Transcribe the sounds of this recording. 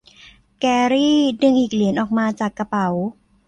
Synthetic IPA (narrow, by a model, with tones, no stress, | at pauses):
kɛː˧ɾiː˥˩dɯ˧ŋʔiː˨˩k̚li˨˩˦nʔɔː˨˩k̚maː˧t͡ɕaː˨˩kːa˧pa˩˦w